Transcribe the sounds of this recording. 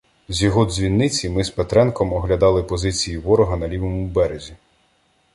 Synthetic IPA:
zʲjɔɦɔd̪zʲʋʲinːɪt͡sʲimɪspet̪ɾɛnkɔmɔɦlʲɐd̪ɑlˠɪpɔzɪt͡sʲijiʋɔɾɔɦɐnɐlʲiʋɔmuwbɛɾezʲi

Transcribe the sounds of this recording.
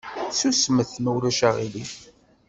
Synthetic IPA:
susməθnəwɾæʃæʁili

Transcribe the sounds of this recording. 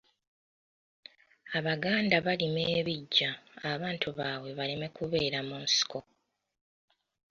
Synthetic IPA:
aβaɡaːndaβalime̞ːβiɟːaːβaːntʰuβaːwe̞βalime̞kuβe̞ːɾamunsi̥ko̞

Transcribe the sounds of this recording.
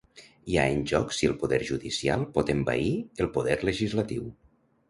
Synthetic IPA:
ia̰enʲʒɔksiəlˠpuðɛɾʒuðisia̰lˠpɔt̪emba̰iəlˠpuðɛɾləʒizlat̪iw

